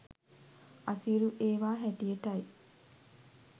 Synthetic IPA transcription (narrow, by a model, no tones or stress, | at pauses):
ʔɐsiɾuʔeːʋaːɦæʈijeʈɐj